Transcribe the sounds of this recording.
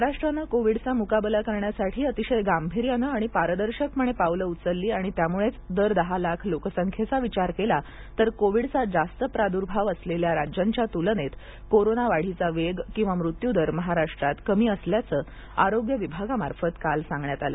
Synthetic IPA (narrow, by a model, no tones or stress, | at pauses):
məɦaɾaʂʈɾanəkoʋiɽt͡samukabəlakəɾɳjasaʈʰiːət̪iɕəjɡambʱiɾjanəaɽ̃ipaɾəd̪əɾɕəkməɳ̃epawləut͡səlːiːaɽ̃it̪jamuɭet͡sd̪əɾd̪əɦalakʰlokəsəŋkʰjet͡saʋit͡ɕaɾkela | t̪əɾkoʋiɽt͡sad͡zast̪əpɾad̪uɾbʱaʋəsleljaɾad͡ʑjaɲt͡ɕjat̪ulənet̪ | koɾonaʋaɽ̤it͡saʋeɡkĩw̃ʋamɾut̪jud̪əɾməɦaɾaʂʈɾat̪kəmiːəsljat͡səː | a̰ɾoɡjəʋibʱaɡamaɾfət̪kalsãŋɡɳjat̪alə̰